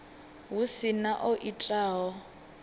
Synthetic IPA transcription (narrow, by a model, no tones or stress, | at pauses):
ɦusinaʔɔʔitʼaːɦɔ